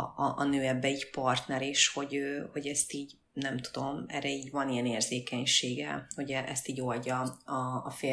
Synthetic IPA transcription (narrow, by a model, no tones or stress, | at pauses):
ʔɒnøːɛbːɛiɟpɒrt̪nɛɾeʃho̞ɟøːho̞ɟɛst̪iːɟ | nɛmt̪u̥d̪o̞mɛ̰ːrːɛiːɟvɒnijɛneːrzeːkɛɲʃeːɡɛ̰ho̞ɟɛʔɛst̪iːɟo̞lɟɒɒːfeː